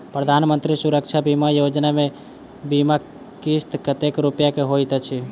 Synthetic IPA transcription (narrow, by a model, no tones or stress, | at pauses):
pɾəd̪ʱaːnmə̃nt̪ɾisuɾəkt͡ʃʰabimajod͡ʒnamẽ | bima | kist̪kət̪ekɾupjakeɦojt̪t͡ʃʰi